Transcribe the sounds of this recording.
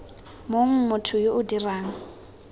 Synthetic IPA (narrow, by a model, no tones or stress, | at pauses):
moŋ̩mʊtʰʊjoʔʊdiraːŋ̩